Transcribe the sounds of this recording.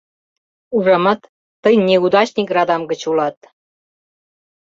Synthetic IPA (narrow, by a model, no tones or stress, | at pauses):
uʒɑmɑt̪ː | əjneud̪ɑt͡ɕnikrɑd̪ɑmɡə̆t͡ɕulɑt̪